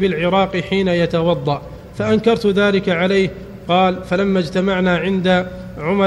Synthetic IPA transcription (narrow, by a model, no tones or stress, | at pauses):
bɪlʕɪɾˤɑːqħiːnajat̪awɑd̪ˤːɑʔ | faʔankɑɾˤt̪ðaːlɪkaʕalajh | qɑːlfalamːad͡ʒt̪amaʕnaːʕɪnd̪a | ʕʊm